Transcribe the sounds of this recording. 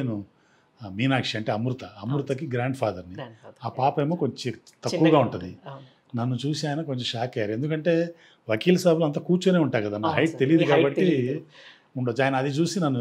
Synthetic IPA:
enu | miːnaːkʂiɐɳʈe̞ːɐmɾut̪ɐɐmɾut̪ɐkiɡɾaːɳɖpʰaːd̪ɐɾniaːpaːpɐjmoːkoɲt͡ʃi | t̪ɐkːuʋɐɡaːuɳʈund̪i | nɐnːut͡ʃuːsiaːjɐnɐkoɲt͡ʃomʂaːkɐjaːɾue̞nd̪ukɐɳʈe̞ː | ʋɐkiːlɐsɐːbulɐnt̪̬ɐkuːɾt͡ʃune̞ːuɳʈaːɾkɐd̪aːnaɾɐjʈ̚t̪e̞lijːd̪ikaːbɐʈːi | uɳɖod͡ʒaːjɐnɐːd̪it͡ʃuːsinɐnːu

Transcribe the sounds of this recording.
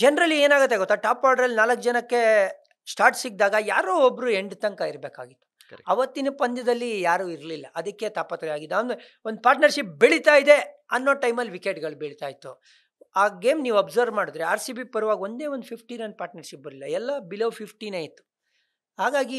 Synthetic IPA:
d͡ʒɛnɐɾɐlːieːnaːɡɐt̪ːeɡot̪ːaʈaːpkaːɾɖɐɾɐlːinaːlɐkːd͡ʒɐnɐkːe | sʈaːɾʈsiɡ̚d̪aːɡɐjaːɾoːobːɾueɳɖt̪ɐŋkaiɾbeːka̰ːɡit̪ːu̥ | kɐʋɐt̪ːinupɐnd̪ɐd̪ɐlːijaːɾuːiɾlilːɐʔɐd̪ɐkːet̪aːpɐt̪ɾɛjaːɡid̪ːnd̪ | ond̪upaːɾʈnɐɾʃip̚beɭit̪aːjid̪e̞ɐnːo̞ːʈɐjmɐlːʋikeʈɡɐɭbeɭit̪aːjit̪ːu | aːɡeːmniːʋɐbzɐɾʋmaːɽud̪ɾeaːɾsibipɐɾuʋaːɡo̞nd̪e̞ːʋond̪upʰipʰʈinɐnd̪̚paːɾʈnɐɾʃip̚bɐɾlilːɐɛlːɐbiloːpʰipʰʈineːjit̪ːu̥ | ɦaːɡaːɡi

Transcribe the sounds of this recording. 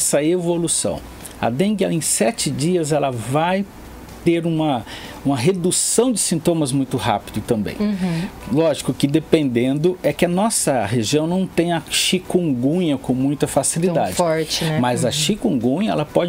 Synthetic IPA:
sɐevolusɐ̰̃w̃ | ɐ̰d̪ẽŋɡɛẽj̃sɛt͡ʃɪd͡ʒiɐzɛlɐvaj | t̪eɾũmɐ | ũmɐɦed̪usɐ̃w̃d͡ʒɪsĩnt̪õmɐzmũj̃t̪ʊha̰pid̪ʊt̪ɐ̃mbḛ̃j̃lɔʒikʊkɪd̪epẽnd̪ẽnd̪ʊɛkɪɐnɔsɐɦeʒiɐ̃w̃nɐ̃w̃t̪ẽj̃ɐʃikõŋɡũɲɐkõw̃mũj̃t̪ɐfasilid̪ad͡ʒɪɔɾt͡ʃɪmɐzɐʃikõŋɡũɲɐɛ̰lɐpɔd͡ʒ

